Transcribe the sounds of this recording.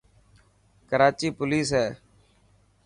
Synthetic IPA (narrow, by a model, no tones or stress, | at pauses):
kəɾaːt͡ʃiːpʊliːsɦɛː